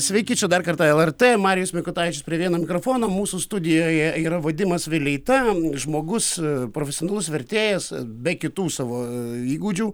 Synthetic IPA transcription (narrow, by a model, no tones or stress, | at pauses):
sʲʋʲɛɪkʲit͡ʃʲɛd̪ɐrkɐrt̪ɑːɛlˠɛrt̪eːmɑːɾʲɪjʊsmʲɪkʊt̪ɑːʋʲɪt͡ʃʲʊspʲɾʲiɛʋʲiɛnoːmʲɪkɾoːfoːnoːmuːsuːst̪ʊd̪ʲɪjoːjɛiːɾɐʋoːd̪ʲɪmɐsʋʲɪlʲɛɪt̪ɐʒmoːɡʊspɾoːfʲɛsʲɪonɐlˠʊsʋʲɛɾʲt̪ʲeːjɛsbʲɛkʲɪt̪uːsɑːʋoːiːɡuːd͡ʒʲuː